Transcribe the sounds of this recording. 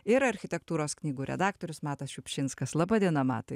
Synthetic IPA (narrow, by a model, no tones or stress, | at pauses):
ɪɾɐɾʲxʲɪt̪ʲɛkt̪uːɾoːsknʲiːɡuːɾʲɛ̰d̪ɑːk̚t̪oːɾʲʊsmɑːt̪ɐsʃʲʊpʲʃʲɪnskɐslˠɑbɐd̪ʲiɛnɐmɑ̰ːt̪ɐ